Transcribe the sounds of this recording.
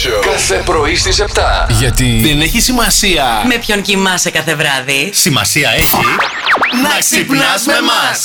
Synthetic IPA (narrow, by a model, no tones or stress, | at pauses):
kɐθepɾo̞ist̪ise̞pt̪ɐ̰ʝɐt̪iðeneçisimɐsiɐme̞pço̞ɲcimɐsekɐθe̞vɾɐðisimɐ̰siɐeçi | nɐksipnɐzmemɐs